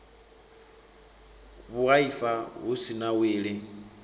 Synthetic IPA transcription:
βuaifaɦusinaweːɺɪ

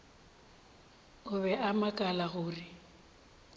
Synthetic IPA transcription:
ʊβɛʔamakʼalaɣʊːrɪ

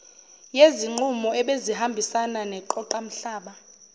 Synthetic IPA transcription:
jeziŋ͡ǃumɔɛɓezihambʱisananɛǃɔǃam̩ɬaːɓa

